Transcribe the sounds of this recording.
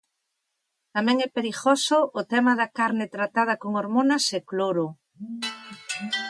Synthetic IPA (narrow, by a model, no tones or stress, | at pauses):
t̪amɛ̃ŋɛpeɾiɣosoʔːt̪ɛmaðakaɾnɪt̪ɾat̪að̞ɐkoŋoɾmonasekloɾo